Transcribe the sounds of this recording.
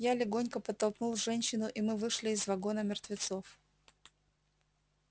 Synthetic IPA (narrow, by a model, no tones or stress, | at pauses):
jalʲɪɡo̞nʲkəpət̪ːɐlˠknulˠʐɛnʲɕːɪnʊʔɪmɨvɨʂlʲɪːzvɐɡo̞nəmʲɪrt̪vʲɪt̪so̞f